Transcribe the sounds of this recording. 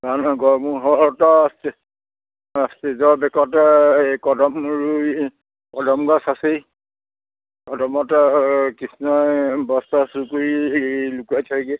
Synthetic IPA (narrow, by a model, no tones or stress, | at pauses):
ɡanɔɡɔɹmuɦɔtɔste | stezɔɹbɛkɔtkɔdɔmɹu | kɔdɔmɡɔsasej | kɔdɔmɔtkisnɔjbɔstasukuɹilukuajtʰajɡɛ